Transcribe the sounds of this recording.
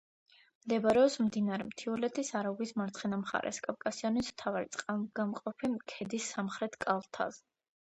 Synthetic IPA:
md̪ɛbɾɛɔpsmd̪inaɾɛmt̪ʰiulɛt̪ʰisaɾauɡismaɾt̪sʰχɛnamχa̰ɾʔɛ̰skʼafkʼasiɔnismt̪ʰavaɾit̪sʼqʼaɡamqʼɔpʰimkʰɛd̪isːamχɾɛt̪ʰkʼalˠt̪ʰa̰z

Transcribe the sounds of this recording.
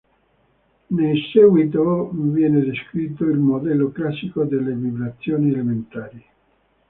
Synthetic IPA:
nejsɛɡwit̪̬ovjɛːned̪eskɾit̪ːoilmod̪ɛlːoklasːikod̪elːevibɾat̪sːjoːnielement̪aːɾi

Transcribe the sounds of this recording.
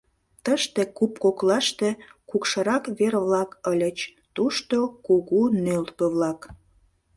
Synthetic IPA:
t̪əʃt̪e̽kupkoklɑʃt̪ekukʃəɾɑkβerβlɑkəlʲət͡ɕ | t̪uʃt̪okuɣunølt̪pəβlɑk

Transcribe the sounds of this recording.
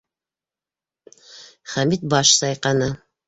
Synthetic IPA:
χæmit̪̚bɑʃsɑjqɑnɤ

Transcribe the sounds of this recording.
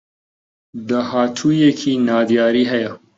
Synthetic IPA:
d̪əhaːtʰujekʰinaːd̪jaːɾiɦɐja

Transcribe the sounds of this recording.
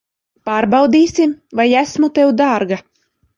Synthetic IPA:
paːɾbɑwd̪iːsimvajæsmut̪ɛwd̪aːɾɡa

